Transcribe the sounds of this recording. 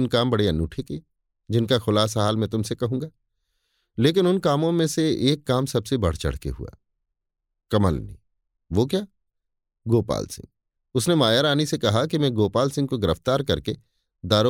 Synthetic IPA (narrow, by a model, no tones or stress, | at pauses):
nkaːmbɐɽeɐnːũːʈʰeki | d͡ʒɪnkaxʊlaːsaɦaːlmɛ̃t̪ʊmsekɐɦũːɡaː | leːk̬ɪnʊnkaːmõmẽseeːkːaːmsɐbsebɐ̰ɽ̤t͡ʃɐ̰ɽ̤kḛɦṵa̰ː | kɐməlnḭ | ʋok̬jaː | ɡoːpa̰ːlsɪ̰̃ŋ | ʊsnemaːjaɾaːnisekɐɦakimɛ̃ːɡoːpaːlsɪ̃ŋɡkoɡɪɾəft̪aːɾkɐɾke | d̪aːɾo